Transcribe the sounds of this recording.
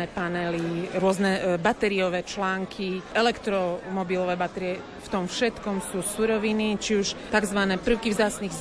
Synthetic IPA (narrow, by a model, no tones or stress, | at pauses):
ɛpanɛliɾʊɔznɛbat̪ɛɾiɔʋɛːt͡ʃlaːŋkʰiɛlɛkt̪ɾɔmɔbilɔʋɛːbat̪ɛɾiɛ | ft̪ɔmfʃɛt̪kɔmsuːsuɾɔʋinit͡ʃiuʃt̪aɡzʋanɛːpr̩ʊkivzaːt͡sniɣz